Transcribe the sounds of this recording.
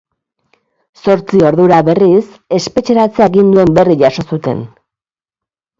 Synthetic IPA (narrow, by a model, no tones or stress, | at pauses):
so̞ɾt͡sio̞ɾðuɾaβe̞ris | e̞spe̞t͡ʃe̞ɾat͡seaeɣind̪ue̞mbe̞riʝaso̞sut̪e̞̰n